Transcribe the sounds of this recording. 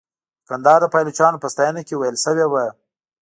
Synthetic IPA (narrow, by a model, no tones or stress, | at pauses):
kand̪ɑːɾd̪əpɑjlot͡ʃɑːnopəst̪ɑjanakʲewajəlsəwewa